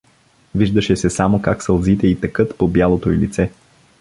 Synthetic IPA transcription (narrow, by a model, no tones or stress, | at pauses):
viʒd̪əʃɛsɛsamokaksɐlˠzit̪ɛit̪ɐkɤt̪pobjalˠot̪oilḭt̪sɛ